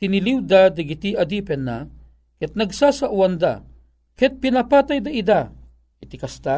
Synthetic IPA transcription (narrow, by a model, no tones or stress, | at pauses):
tiniliwd̪ad̪ɐɡit̪iɐd̪ipɛnːa | kɛt̪̚nɐɡsasaʔuand̪a | kɛt̪̚pinɐpaːt̪ajd̪aid̪a | it̪ikɐst̪a